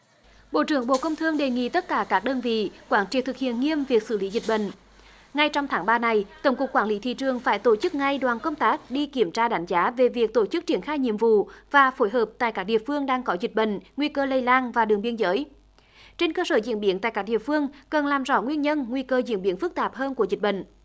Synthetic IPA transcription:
ɓo̰˧˨t͡ɕɨ˧˩əŋɓo̰˧˨kə˧wŋ͡mt̪ʰɨ˧əŋɗe˨˩ŋḭ˧˨t̪ə˦˥t̚kaː˧˩kaː˦˥k̚ɗəː˧nvḭ˧˨kwaː˧˩nt͡ɕḭ˧˨˩t̪ʰɨ˨˩k̚hḭ˧˨ənŋi˧əmvi˨˩ək̚sɨ˧˩li˨˦zï˨˩t̟̚ɓə̰˧˨ŋ̟ | ŋa˧jt͡ɕɔ˧wŋ͡mt̪ʰaː˨˦ŋɓaː˧na˧˩jt̪ə˧˩wŋ͡mkʊ˨˩kːwaː˧˩nli˨˦t̪ʰḭ˧˨t͡ɕɨ˨˩əŋfaː˧˩jt̪o˧˩t͡ɕɨ˦˥k̚ŋa˧jɗwaː˨˩nkə˧wŋ͡mt̪aː˦˥k̚ɗi˧ki˧˩əmt͡ɕaː˧ɗa˨˦jŋ̟zaː˨˦ve˨˩vi˨˩ək̚t̪o˧˩t͡ɕɨ˦˥k̚t͡ɕi˧˩ənxaː˧jɲḭ˧˨əmvṵ˧˨vaː˨˩fo˨˦jɦəː˨˩p̚t̪a̰ː˧˨jkaː˦˥k̚ɗḭ˧˨əfɨ˧əŋɗaː˧ŋkɔ˨˦zi˨˩t̟̚ɓə̰˧˨ŋ̟ŋwi˧kəː˧lə˧jlaː˧nvaː˨˩ɗɨ˨˩əŋɓi˧ənzəː˨˦j | t͡ɕe˧nkəː˧səː˧˩zḭ˧˥ənɓi˨˦ənt̪a̰ː˧˨kaː˦˥k̚ɗḭ˧˨əfɨ˧əŋkə˨˩nlaː˨˩mzɔ̰˧˩ŋwi˧ənɲə˧nŋwi˧kəː˧zḭ˧˥nɓi˨˧˦ənfɨ˦˥k̚t̪aː˨˩p̚həː˧nku˧˩əzi˨˩t̟̚ɓə̰˧˨ŋ̟

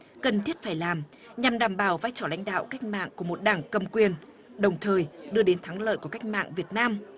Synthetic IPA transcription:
kə˨˩nt̪ʰi˦˥ət̚faː˧˩jlaː˨˩m | ɲa˨˩mɗaː˧˩mɓaː˧˩wvaː˧jt͡ɕɔ˧˩la̰˧˥jŋ̟ɗa̰ː˧˨wka˦˥jk̟̚ma̰ː˧˨ŋku˧˩əmo˨˩t̚ɗaː˧˩ŋkə˨˩mkwi˨˩ən | ɗə˨˩wŋ͡mt̪ʰəː˨˩jɗɨ˧əɗe˨˦nt̪ʰaː˨˦ŋlə̰ː˧˨jku˧˩əka˦˥jk̚ma̰ː˧˨ŋvi˨˩ət̚naː˧m

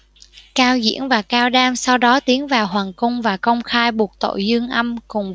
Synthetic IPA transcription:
kaː˧wzḭ˧˥ənvaː˨˩kaː˧wɗaː˧msa˧wɗɔ˨˦t̪i˨˦ənvaː˨˩wɦwaː˨˩ŋkʊ˧wŋ͡mvaː˨˩kə˧wŋ͡mxaː˧jɓu˨˩ət̚t̪o̰˧˨jzɨ˧əŋʔə˧mkʊ˨˩ŋ͡m

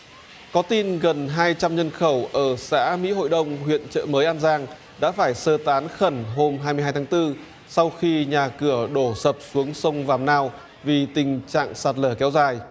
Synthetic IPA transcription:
kɔ˨˦t̪i˧nɣə˨˩nɦaː˧jt͡ɕa˧mɲə˧nxə˧˩wʔəː˧˩sa̰ː˧˥mḭ˧˥ho̰˧˨jɗə˧wŋ͡mhwḭ˧˨ənt͡ɕə̰ː˧˨məː˨˦jʔaː˧nzaː˧ŋ | ɗa̰ː˧˥faː˧˩jsəː˧t̪aː˨˦nxə˧˩nɦo˧mɦaː˧jmɨ˧jaː˧jt̪ʰaː˨˦ŋt̪ɨ˧ | sa˧wxi˧ɲaː˨˩kɨ˧˩əɗo˧˩sə˨˩p̚su˨˦əŋsə˧wŋ͡mvaː˨˩mnaː˧w | vi˨˩t̪ï˨˩ŋ̟t͡ɕa̰ː˧˨ŋsaː˨˩t̚ləː˧˩kɛ˨˦wzaː˨˩j

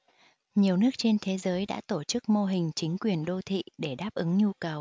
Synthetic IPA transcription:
ɲi˨˩əwnɨ˦˥ək̚t͡ɕe˧nt̪ʰe˨˦zəː˨˦jɗa̰ː˧˥t̪o˧˩t͡ɕɨ˦˥k̚mo˧ɦï˨˩ŋ̟t͡ɕï˨˦ŋ̟kwi˨˩ənɗo˧t̪ʰḭ˧˨ɗe˧˩ɗaː˦˥p̚ʔɨ˨˦ŋɲu˧kə˨˩w

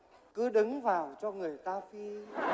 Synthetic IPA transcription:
kɨ˨˦ɗɨ˨˦ŋvaː˨˩wt͡ɕɔ˧ŋɨ˨˩əjt̪aː˧fi˧

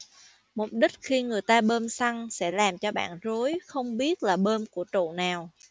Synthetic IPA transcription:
mʊ˨˩k͡p̚ɗï˦˥k̟̚xi˧ŋɨ˨˩əjt̪aː˧ɓəː˧msa˧ŋsɛ̰˧˥laː˨˩mt͡ɕɔ˧ɓa̰ː˧˨nzo˨˦jxə˧wŋ͡mɓi˦˥ət̚laː˨˩ɓəː˧mku˧˩ət͡ɕo̰˧˨naː˨˩w

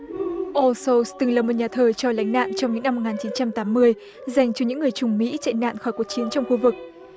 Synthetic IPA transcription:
ʔo˧so˧wst̪ɨ˨˩ŋlaː˨˩mo˨˩t̚ɲaː˨˩t̪ʰəː˨˩t͡ɕɔ˧˩la̰˧˥jŋ̟na̰ː˧˨nt͡ɕɔ˧wŋ͡mɲɨ̰˧˥ŋna˧m̚ː˨˩ŋaː˨˩t͡ɕi˨˦nt͡ɕa˧mt̪aː˨˦mːɨ˧əj | za˨˩jŋ̟t͡ɕɔ˧ɲɨ̰˧˥ŋːɨ˨˩əjt͡ɕʊ˨˩ŋ͡mmḭ˧˥t͡ɕa̰˧˨na̰ː˧˨nxɔ˧˩jku˨˩ək̚t͡ɕi˨˦ənt͡ɕɔ˧wŋ͡mxu˧vɨ˨˩k̚

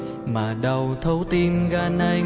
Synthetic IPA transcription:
maː˨˩ɗə˨˩wt̪ʰə˨˧˦wt̪i˧nɣaː˧˩na˧j

